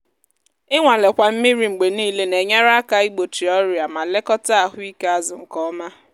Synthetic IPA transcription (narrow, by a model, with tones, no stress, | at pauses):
ɪ˦ŋʷa˨le˨kʷa˨m̩˦mi˦ɾi˨ŋ͡m̩˨ɡ͡be˨niː˦le˦ne˨ɲe˦ɾa˦ka˦i˦ɡ͡bo˨ti˨ɔ˦ɾja˨ma˨le˦kɔ˦ta˦˨ɦʊ˦i˦ke˦a˦zʊ˨ŋ̩˨kɔ˦ma˦